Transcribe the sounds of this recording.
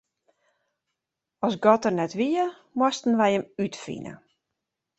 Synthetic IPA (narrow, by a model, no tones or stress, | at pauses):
ɔsɡɔtərnɛtʋiə | mwɔstn̩ʋɛjəmytfḭnə̰